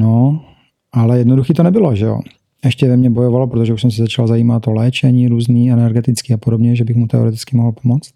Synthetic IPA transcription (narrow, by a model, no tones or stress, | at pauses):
no | ʔalɛjɛdnoduxiːt̪onɛbɪloʒɛo̰ | ʔɛʃcɛvɛmɲɛbojovalopɾot̪oʒɛuʃsɛms̬ɛzat͡ʃalzaiːmat̪olɛːt͡ʃɛɲiːɾuːzniːɛnɛɾɡɛt̪ɪt͡skiːapodobɲɛʒɛbɪxmut̪ɛoɾɛt̪ɪt͡skɪmoɦl̩pomot͡st̪